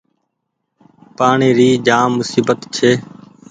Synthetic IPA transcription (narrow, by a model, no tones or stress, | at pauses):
paːɳiːɾiːd͡ʒaːmːʊsiːbət̪t͡ʃʰeː